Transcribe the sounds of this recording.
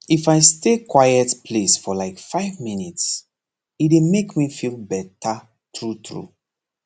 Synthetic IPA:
ifaɪstekwajɛtpʰlesfɔlaɪkfaɪvminits | idemekmifilbɛtʰa | tɹutɹṵ

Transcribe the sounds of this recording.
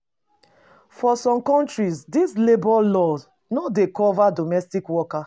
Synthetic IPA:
fɔsɔ̃mkɔ̃ntɹizdislebɔlɔz | nɔdekɔvadomɛstikwɔka

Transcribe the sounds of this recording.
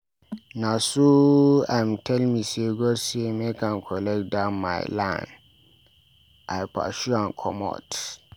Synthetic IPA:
nãsoãmtʰɛlmĩseɡɔsemekʰãnkʰɔlɛk̚dãnma̰ɪlã̰n | ʔaɪpʰa̰ʃuãnkʰɔ̰mɔ̰t

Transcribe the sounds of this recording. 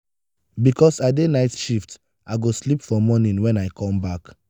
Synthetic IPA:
bikɔsadenaɪtʃift | ʔaɪɡoslipfɔmɔnĩnwɛ̃naɪkʰɔ̃mbak

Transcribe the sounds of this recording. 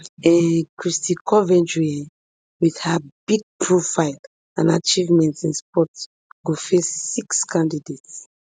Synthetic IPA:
ɛkɹistĩkɔvɛ̃nd͡ʒuɛ | wið̥habiɡ̚pʰɹofaɪl | ãnat͡ʃivmɛ̃ntĩnspɔt | ɡ̥ofesːikskãndidets

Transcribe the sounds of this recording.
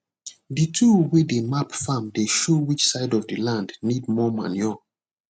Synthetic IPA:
ditʰuwedemapfãmdeʃowit͡ʃsaɪdɔvdilãndnidmɔmã̰njɔ

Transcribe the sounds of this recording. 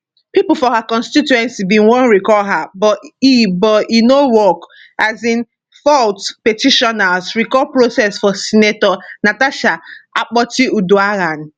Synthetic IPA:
pipufɔhakɔ̃nstituɛ̃nsibĩnwõnɹikɔɦabɔibɔinowɔk | azĩn | fɔltpetiʃɔnasɹikɔpɹosɛsfɔsinetɔnataʃaak͡pɔtiuduaɾan

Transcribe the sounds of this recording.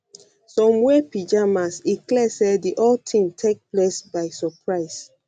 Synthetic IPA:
sɔ̃mwɛpid͡ʒamasdiklɛsediʔɔltʰĩŋtʰek̚plesbaɪsɔpɹaɪs

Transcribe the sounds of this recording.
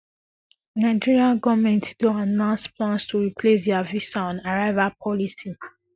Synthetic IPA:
naɪd͡ʒiɹialɡɔvmɛ̃ntduanãspʰlãnstʰuɹipʰles̬dɛavisaɔ̃naɹaɪvapʰɔlisi

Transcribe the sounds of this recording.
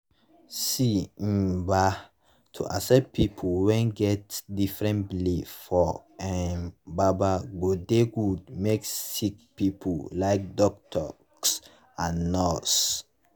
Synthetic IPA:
sim̩ba | tʰṵʔasɛpʰipʰuwɛ̃nɡɛtdifɹɛ̃nblefɔɛnbabaɡodeɡud̚meksik̚pipʰulaɪk̚dɔk̚tʰɔ̰ks | ãnːɔs

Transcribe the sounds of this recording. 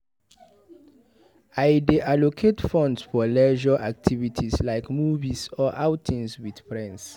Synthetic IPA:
aɪdeʔalokʰetfɔ̃ndsfɔlɛʒaʔak̚tʰivitʰislaɪkmuvisɔʔawtʰĩnswid̥fɹɛ̃ns

